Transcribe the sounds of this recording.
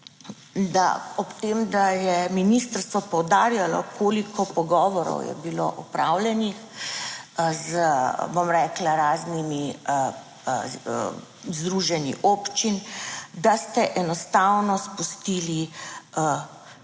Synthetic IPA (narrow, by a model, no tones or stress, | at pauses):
d̪a̰ɔpt̪eːmd̪ajɛminist̪əɾst̪ʋɔpɔwd̪aːɾjalɔ̰kʰoːlikʰɔpɔɡɔːʋɔɾɔ̰wjɛ̰bilo̰ʔɔpɾaːwljɛnix | zbomɾɛːklaɾaːznimi | zd̪ɾuʒɛnḭʔoːpt͡ʃind̪ast̪ɛʔɛnɔst̪awnɔspust̪iːliə